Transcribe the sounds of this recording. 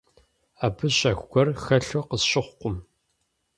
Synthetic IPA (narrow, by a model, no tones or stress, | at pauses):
aːbɨɕʼɐxʷɡʷɔrxɐɬoqəsɕɪχʷqʷʊm